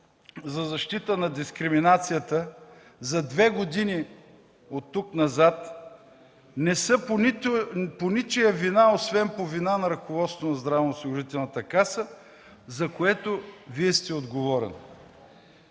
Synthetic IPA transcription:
zɐzɐʃt̪it̪ənɐd̪iskɾiminat̪sijət̪ə | zɐd̪vɛɡod̪ini | ot̪ːuknɐzat̪ | nɛsəpitponit͡ʃɛjɐvinaosvɛmpovinanɐɾɐkovɔt̪st̪vonɐzd̪ɾavnːsˠɡʊʒit̪ɛlˠnɐt̪əkasə | zɐkoɛt̪oviɛst̪ɛod̪ɡovɔɾɛ̰n

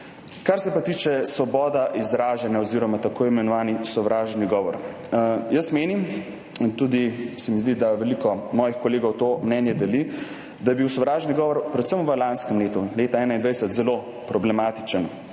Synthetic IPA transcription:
kaɾsɛpat̪iːt͡ʃɛsʋɔbɔːd̪aʔizɾaːʒanjaɔziːɾɔmat̪akoːimɛnɔʋaːnisɔʋɾaːʒniɡɔːʋɔɾ | jəsmeːnim | int̪ud̪isɛmizd̪id̪aʋɛlikɔmɔːjixkɔleːɡɔwt̪omnɛːnjɛd̪ɛli | d̪ajbiwsɔʋɾaːʒniɡɔːʋɔɾpɾɛt̪səmʋəlanskəmleːt̪uleːt̪aɛːnaind̪ʋɛjsɛt̪zɛlo | pɾɔblɛmaːt̪it͡ʃən

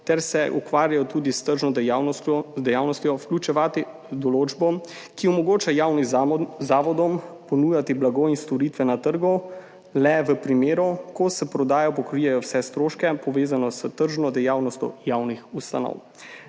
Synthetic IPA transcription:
t̪ɛɾsɛʔukʋaːɾjajɔt̪ud̪ist̪əɾʒɔɔzd̪ɛjaːwnɔst̪jɔfklut͡ʃɛʋaːt̪i | d̪ɔloːd͡ʒbɔ | kiɔmɔɡoːt͡ʃajaːwnizaːʋɔd̪ɔmpɔnuːjat̪iblaɡoinst̪ɔɾit̪ʋɛnat̪əɾɡɔ | lɛʋəpɾimeːɾukɔsɛpɾɔd̪aːjɔpɔkɾijɛjɔwsɛst̪ɾoːʃkɛpɔʋeːzanɔsət̪əɾʒnɔd̪ɛjaːwnɔst̪ʲjɔ̰jaːwnixust̪a̰nɔ̰w

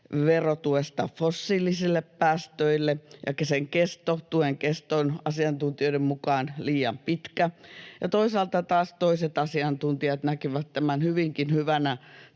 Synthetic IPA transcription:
ʋerot̪uest̪ɑfosːiːlisilːeppæːst̪øilːejɑ̰kseŋkest̪ot̪uheŋkest̪onɑsiɑnt̪unt̪ioĭdemmukɑːnliːjɑ̰mpit̪kæjɑt̪oisɑːlt̪ɑt̪ɑːst̪oiset̪ɑsiɑnt̪unt̪iɑt̪nækiʋæt̪tæmænhyʋiŋkinhyʋænæ

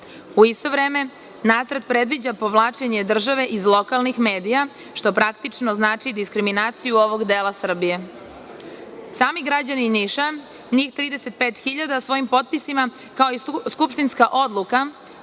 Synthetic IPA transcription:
uist̪o̞ʋɾeːme̞ | naːt̪sɾ̩t̪̚pɾe̞d̪ʋid͡ʑapo̞ʋlˠaːt͡ʃe̞ɲe̞d̪r̩ʒaʋe̞ʔizlˠo̞kalˠnixme̞ːd̪ija | ʃt̪o̞pɾakt̪it͡ʂno̞znaːt͡ʃid̪iskɾiminaːt̪sijuo̞ʋo̞ɡd̪eːlˠasr̩bije̞ | saːmiɡɾad͡ʑaniniʃa | ɲiːxt̪ɾiːd̪e̞se̞t̪̚peːt̪xiʎad̪asʋo̞jimpo̞t̪̚pisima | kaoiskupʃt̪inskaʔo̞d̪lˠuka

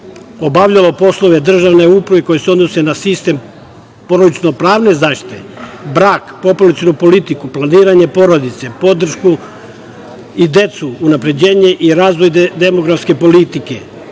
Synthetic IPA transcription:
o̞baʋʎalo̞po̞slˠo̞ʋe̞d̪r̩ʒaʋne̞upɾaʋeko̞jeseo̞d̪no̞senasist̪e̞m | po̞ɾod̪it͡ʃ̪nopɾaːʋne̞zaːʃt̪i̥t̪ʰḛbɾaːkpo̞pulat̪sionupo̞lit̪ikuplˠaniːɾaɲe̞po̞ɾo̞d̪it̪se̞po̞d̪r̩ʃku | id̪e̞t̪suːnapɾe̞d͡ʑe̞ːɲe̞ʔiɾaːzʋo̞jd̪e̞mo̞ɡɾafske̞po̞lit̪ike̞

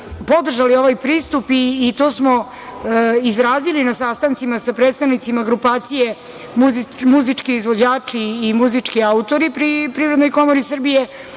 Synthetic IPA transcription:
po̞d̪r̩ʒalio̞ʋajpɾiːst̪upiːt̪o̞ːsmo | izɾaːzilinasaːst̪ant̪simasapɾet̪st̪aʋnit̪simaɡɾupaːt̪sije | muzmuzit͡ʂkiizʋod͡ʑaːt͡ʂiːmuzit͡ʂkiaut̪oɾipɾipɾivɾe̞d̪nojko̞moɾisr̩bije

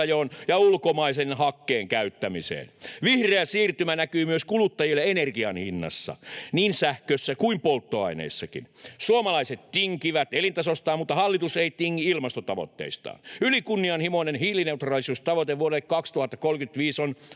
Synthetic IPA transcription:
joːnjɑulkomɑisenhɑkːeːŋkæyt̪ːæmisḛːnʋihreæsiːrt̪ymænækyːmyøskulut̪ːɑjilːeenerɡiɑnhinːɑ̰sːɑ̰niːnsæhkøsːækuimpolt̪ːoɑ̰inḛːsːɑkḭnsuomɑlɑiset̪t̪iŋkiʋæt̪elint̪ɑsost̪ɑːmut̪ːɑhɑlːit̪useit̪iŋːiilmɑst̪ot̪ɑʋo̰t̪ːḛist̪ɑ̰ːnylikunːiɑnhimoinenhiːlineut̪rɑlisust̪ɑʋot̪eʋuoɾekkɑkst̪uhɑt̪ːɑkolkyt̪ʋiːson

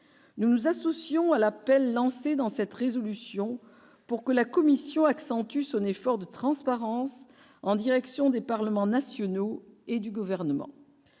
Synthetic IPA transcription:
nunuzasɔsjɔ̃alapɛlːɑ̃sed̪ɑ̃sɛt̪ʁezɔlysjɔ̃ | puʁkəlakɔmisjɔ̃aksɑ̃t̪ysɔ̃nefɔʁd̪ət̪χɑ̃spaʁɑ̃s | ɑ̃d̪iʁɛksjɔ̃d̪epaʁləmɑ̃nasjɔnoed̪yɡuvɛʁnəmɑ̰̃

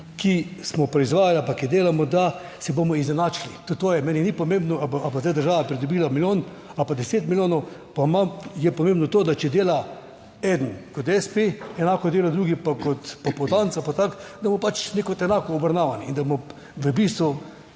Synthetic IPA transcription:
kismɔpɾɛizʋaːjalapakid̪eːlamɔd̪a | sɛbomɔiznɛnaːt͡ʃilit̪ut̪oːjɛmɛːninipɔmẽmbnɔababazd̪ajd̪əɾʒaːʋapɾid̪ɔbiːlamiljoːn | apad̪ɛseːt̪miljoːnɔ | pamamjɛpɔmẽmbnɔt̪oːd̪at͡ʃɛd̪eːla | ɛːd̪n̩kɔt̪ɛspeɛnaːkɔd̪eːlad̪ɾuːɡipakɔt̪papɔd̪ant̪sapat̪akd̪ɐbmɔpat͡ʃnekot̪ɛnakɔːbɾɐnaːʋaniind̪amɔ | ʋəbist̪ʋɔ

